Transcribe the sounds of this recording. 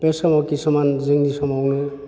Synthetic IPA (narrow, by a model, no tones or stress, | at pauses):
pesamɔkisɔmanziŋdisɔmawnu